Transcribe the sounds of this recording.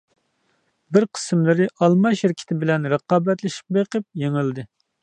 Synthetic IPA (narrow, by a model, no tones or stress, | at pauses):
bɪɾqʰə̥smlˠɨɾɨʔɑlˠmɑʃhɪɾkʲʰɪ̥t̪ʰɪbɪlɛnɾəqɑːbɛt̪lɪʃi̥p̚beqəp̚jeŋɪlˠd̪ɨ